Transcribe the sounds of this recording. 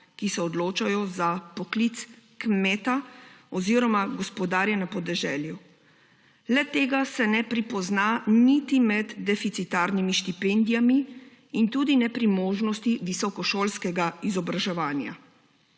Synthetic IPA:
kisɛɔd̪loːt͡ʃajɔzapɔklit̪skmɛːt̪aɔziːɾɔmaɡɔspɔd̪aːɾjɛnapɔd̪ɛʒɛːlju | lɛt̪eːɡasɛnɛpɾipɔznanit̪imɛd̪ːɛfit̪sit̪aːɾnimiʃt̪ipɛnd̪ijamiː | nt̪uːd̪inɛpɾimoːʒnɔst̪iʋisɔkɔʃoːlskɛɡaizɔbɾaʒɛʋaːnja̰

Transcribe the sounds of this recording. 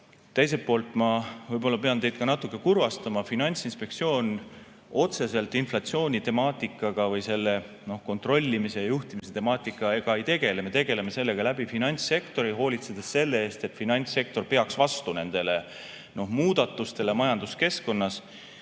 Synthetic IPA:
t̪e̞js̬epːo̞ːlt̪ˑmɑvɯjbo̞lːɑpe̞ɑnt̪e̞jd̪̚kɑnɑt̪ːukːˑe̞kurvɑst̪ɑmɑfinɑnʲt̪sinspe̞kt̪sio̞ːn | o̞t̪se̞se̞lt̪ːˑinflɑt̪sio̞ːnʲit̪e̞mɑːt̪ʲˑikːˑɑɡ̥ɑvɯjse̞lːe̞ | no̞hko̞nt̪ro̞lʲːimise̞jɑjuht̪imise̞t̪e̞mɑːt̪ˑikːˑɑe̞ɡ̥ɑe̞jt̪e̞ɡ̥e̞le̞me̞t̪e̞ɡ̥e̞le̞me̞se̞lːe̞ɡ̥ɑlæbifinɑnʲt̪sːe̞kt̪o̞ɾiɦo̞ːlit̪se̞d̪̥esːe̞lːee̞ːst̪e̞t̪ːˑfinɑnʲt̪se̞k̚t̪o̞rpe̞ɑksvɑst̪une̞nd̪̥e̞le̞ | no̞hmuːd̪̥ɑt̪ːˑust̪e̞lemɑjɑnd̪̥uske̞sko̞nːɑs

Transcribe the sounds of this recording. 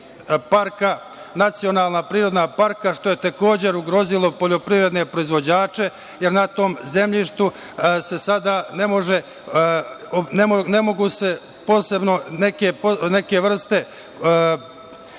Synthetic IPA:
paɾka | nat̪sio̞naːlˠnapɾiːɾo̞d̪napaɾkaʃt̪o̞je̞t̪e̞ko̞ːd͡ʑe̞ɾuɡɾo̞zilˠo̞po̞ʎo̞pɾiːvɾe̞d̪ne̞pɾo̞izʋo̞d͡ʑaːt͡ʃe̞ | jeɾnat̪o̞ːmze̞mʎiʃt̪u | se̞sad̪aːne̞mo̞ʒe̞ | nene̞mo̞ɡuse̞ | po̞ːse̞bno̞nekepne̞ke̞ʋr̩st̪e̞

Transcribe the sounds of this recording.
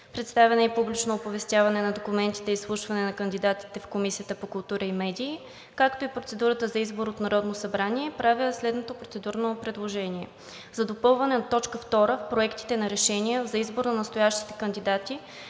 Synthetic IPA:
pɾɛt̪st̪avʲɛnɛipublit͡ʃnoːpovɛst̪ʲjavɐnɛnɐd̪okumɛnt̪i̥t̪ɛislˠuʃvɐnɛnɐkənd̪id̪at̪i̥t̪ɛfkomisiət̪əpokʊlˠt̪uɾəimɛd̪iː | kakt̪oipɾot̪sɛd̪uɾət̪əzɐizboɾot̪nɐɾɔd̪nosɐbɾaniɛpɾaviəslɛd̪not̪opɾot̪sɛd̪uɾnopɾɛd̪lˠoʒɛnʲiɛ̰ | zɐd̪opɤlˠvɐnɛot̪ːɔt͡ʃkəft̪ɔɾəfpɾoɛkt̪i̥t̪ɛnɐɾɛʃɛnijəzɐizboɾnɐnɐst̪ojaʃt̪i̥t̪ɛ̥kənd̪id̪at̪i

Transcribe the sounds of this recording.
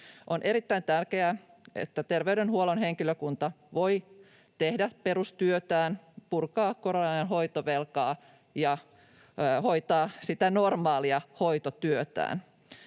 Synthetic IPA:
ʔonʔeɾit̪ːæint̪ærkeæ | ʔḛt̪ːæt̪erʋeydenhuolonɦeŋkiløkunt̪ɑ | ʋoi | t̪ehdæperust̪yøt̪æːnpurkɑːkkoɾonɑjɑnɦoit̪oʋelkɑː | jɑ | hoit̪ɑːsit̪ænormɑːliɑhoit̪ot̪yøt̪æ̰ːn

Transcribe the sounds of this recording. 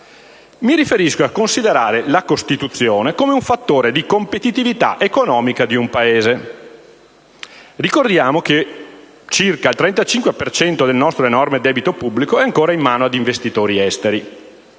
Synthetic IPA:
miɾifeɾiskoakːonsid̪eɾaːɾelakost̪it̪ut̪sːjoːnekoːmeuɱfat̪ːoːɾed̪ikompet̪it̪ivit̪a̰ʔekonɔːmikad̪iumpaeːze | rikord̪jaːmoke | t͡ʃirkailt̪ɾɛnt̪at͡ʃiŋkwepert͡ʃɛnt̪od̪elnɔst̪ɾoenɔrmed̪ɛːbit̪opubːlikoɛaŋkoːɾaimːaːnoad̪iɱvest̪it̪oːɾiɛst̪eɾi

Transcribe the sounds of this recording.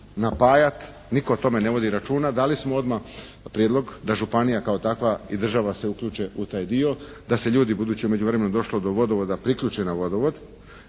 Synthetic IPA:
napaːjat̪ | niko̞ot̪o̞me̞ne̞ʋo̞d̪iɾat͡ʃuːnad̪alismoo̞d̪ma | pɾjed̪lˠo̞ɡd̪aʒupanijakao̞t̪akʋaid̪r̩ʒaʋase̞ukʎuːt͡ʃe̞ut̪aːjd̪io̞d̪ase̞ʎuːd̪ibud̪uːt͡ɕiume̞d͡ʑuʋɾe̞menod̪o̞ʃlod̪o̞ʋo̞d̪oʋo̞d̪apɾikʎuːt͡ʃenaʋo̞d̪oʋo̞d̪

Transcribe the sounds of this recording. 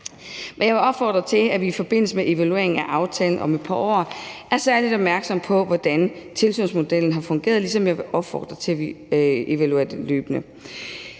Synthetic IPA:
ʋæjɑ̈ɪʋeɒ̽b̥fɒ̰ːd̥ʁɐt͡sʰe̝læʋiifɒ̽b̥e̝n̰l̩səmeʔe̝ʋælue̝ɐ̰eŋ̩æʔɑ̈ʊt͡sʰɛːln̩ʔɒ̽me̥pʰɑ̈ɒ̰ːʔæɐsæɐlid̥ɒ̽b̥̚mæɐɡ̥sɒ̽m̰pʰɒ̽ʋɒd̥ænt͡sʰe̝lsy̰ːnsmo̝d̥el̰n̩ɦɑ̈fɔ̽ŋɡ̥e̝̰ːɐð̞ˠlisɒ̽mjɑ̈ʋeʔɒ̽b̥fɒ̰ːd̥ʁɐt͡sʰe̝æʋiʔe̝ʋæluḛɐd̥eløːb̥nə

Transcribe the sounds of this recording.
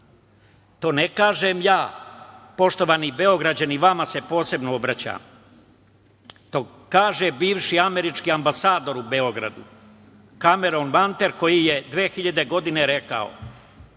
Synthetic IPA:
t̪o̞ːnekaːʒe̞mjaːpo̞ʃt̪o̞ʋaːnibe̞o̞ɡɾad͡ʑaniʋamase̞po̞ːse̞bnoobɾat͡ɕa̰ːm | t̪o | kaːʒebiːʋʃiame̞ɾit͡ʃkiambasaːd̪o̞ɾubeo̞ɡɾa̰d̪ṵ | kame̞ɾonʋant̪e̞ɾko̞jije̞d̪ʋeːxiʎad̪e̞ɡo̞d̪ine̞ɾe̞ka̰o̰

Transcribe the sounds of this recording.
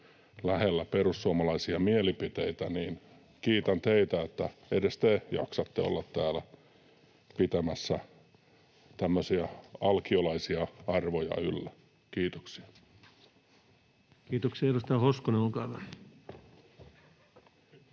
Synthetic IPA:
læhelːæperusːuomɑlɑisiɑmielipit̪eit̪æniːn | kiːt̪ænt̪eit̪æet̪ːæedest̪ejɑ̰ksɑt̪ːeo̰lːɑt̪t̪æːlæ | pit̪æmæsːæ | t̪æmːøsiɑɑlkiolɑisiɑɑrʋojɑ̰ylːæ | kiːt̪oksi̥ɑ | kiːt̪oksiɑeɾust̪ɑhoskoneolkɑːʋɑ

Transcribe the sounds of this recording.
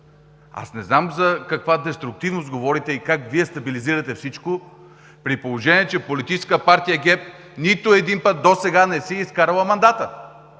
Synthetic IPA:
a̰snɛznamzɐkɐkvad̪ɛst̪ɾʊk̚t̪ivnost̪ɡovɔɾit̪ɛikakviɛst̪ɐbiliziɾɐt̪ɛfsit͡ʃko | pɾipolˠoʒɛniɛt͡ʃɛpolit̪it͡ʃɛskəpaɾt̪ijɐɡɛp̚ | nit̪ʊɛd̪inpət̪̚d̪osɛɡanɛsɛiskaɾəlˠəmɐnd̪at̪ə

